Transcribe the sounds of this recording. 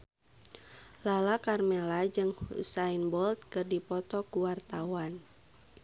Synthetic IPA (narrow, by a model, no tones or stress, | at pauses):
lalakarmɛlad͡ʒɨŋṵsainbɔlt̪̚kɨrdipɔt̪ɔkuwart̪awan